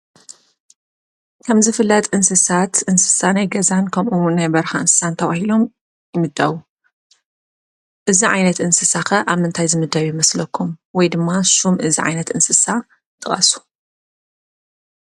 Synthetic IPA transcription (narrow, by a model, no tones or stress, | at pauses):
kʰɐmzɨfɨlːɐt̪ʼɨnsɨsat̪ʔɨnsɨ̥sanajɡɐzankʰɐmʔuwnːajbɐɾxaʔɨnsɨ̥sant̪ʰɐβahilo̞m | jɪmɨd̪ːaβu | ʔɨziʕa̰jnɐt̪ʔɨnsɨsaxɐʔaβmɨnt̪ʰajzɨmɨd̪ɐβjɪmɐslɐkʰːumwɔjd̪ɨmːasumʔɨziʕa̰jnɐt̪ɨnsɨsa | t̪ʼɨχʼɐ̰su̥